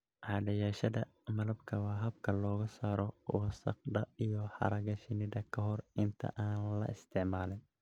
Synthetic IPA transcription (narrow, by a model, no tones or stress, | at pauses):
ʕɑːɖɐjaːʃɐðɐmɐlɐbkʰɐwɑːɦɐb̚kʰɐlɔːɣɐsaːɾɔwɐsɐ̰qd̪ɐijɔħɑ̰ɾɐɣɐʃɪnɪðɐkʰɐɦɔrɪnt̪ʰɐ̰ʔaːnlɐ̰ʔɪst̪ʰɪʕmaːlɪn